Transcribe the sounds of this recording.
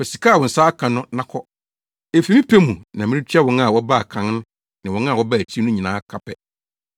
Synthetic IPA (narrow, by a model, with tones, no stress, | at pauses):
fɛ˨si˨kʰa˦˨wɔ̃˨n̩˨saː˦kʰã˨nʊ̃˦nã˦kʰɔ˦ | e˨fi˨˦mĩ˦pʰe˦mũ˨nã˨mɪ̃˦ɪ˦t͡ɕʰi˦a˦wɔ̃˦n˦a˨wɔ˦ba˦˨kʰã˨n˦nʊ̃˦ | nɪ̃˨wɔ̃˦na˦˨wɔ˦ba˦˨tʰi˦nʊ̃˦ɲĩ˨nãː˦kʰa˨pʰɛ˨